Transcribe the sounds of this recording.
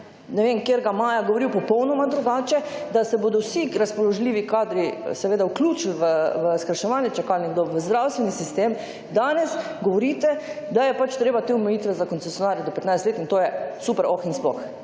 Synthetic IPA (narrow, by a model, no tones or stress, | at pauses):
nɛʋemkjeɾɡamaːjaɡɔʋoɾiwpɔpɔwnɔmad̪ɾuɡaːt͡ʃɛ | d̪asɛboːd̪ɔwsiɾaspɔlɔʒliːʋikaːd̪ɾisɛʋeːd̪awkluːt͡ʃilʋəʋəskɾaʃɛʋanjɛt͡ʃakalnɛɡd̪oʋəzd̪ɾawst̪ʋɛnisist̪em | d̪aːnɛs | ɡɔʋɔɾiːt̪ɛd̪ajɛpat͡ʃt̪ɾeːbat̪eɔmɛjit̪ʋɛzakɔnɛsjɔnaːɾjɛd̪ɔpɛt̪najst̪let̪int̪oːjɛsupɛɾɔxinsplɔ̰x